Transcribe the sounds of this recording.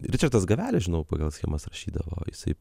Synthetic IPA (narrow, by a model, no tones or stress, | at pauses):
ɾʲɪt͡ʃʲɐrt̪ɐsɡɐʋʲæːlʲɪʒʲɪnɐʊpɐɡɐlˠsʲxʲḛːmɐsrɐʃʲiːd̪ɐʋo̰ːjɪsɐɪ